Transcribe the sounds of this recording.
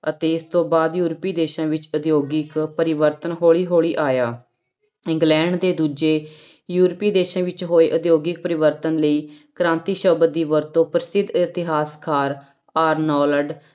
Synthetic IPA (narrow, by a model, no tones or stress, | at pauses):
ət̪eːɪst̪õːbaːd̪juːɾəpiːd̪eːʃãːʋɪt͡ʃəd̪joːɡɪkpəɾɪʋəɾt̪ənɦoːɭiːɦoːɭiːʔaːjaː | ɪ̃ŋɡlɛ̃ːɳɖd̪eːd̪uːd͡ʒeː | juːɾpiːd̪eːʃãːʋɪt͡ʃɦoːeːʔəd̪joːɡɪk̚pəɾɪʋəɾt̪ənləiːkɾãːnt̪iːʃəbd̪iːʋəɾt̪õːpɾəsɪd̪ʱɪt̪ɪɦaːskʰaːɾ | aːɾnɔːləɖ